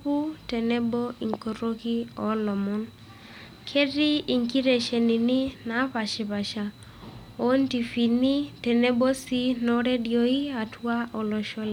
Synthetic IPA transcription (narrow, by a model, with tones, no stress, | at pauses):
pu˦tɛ˨nɛ˦bo˦i˨ŋko˨ɾo˦ki˦ɔ˨˦lɔ˨mɔ˦n | kʰe˦di˦i˨ŋki˦ɾe˨ʃe˨ni˨ni˦na˨˦pa˨ʃe˨pa˨ʃa˨ | o˨˦nti˨fi˨ni˦tɛ˨nɛ˦bo˦si˦nɔ˦ɾe˦djo˨i˦a˨twa˦ɔ˨lɔ˨ʃɔ˦l